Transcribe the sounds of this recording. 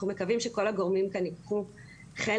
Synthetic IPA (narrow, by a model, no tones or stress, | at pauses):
umekavimʃeko̞laɡoʁmimkanikχu | χe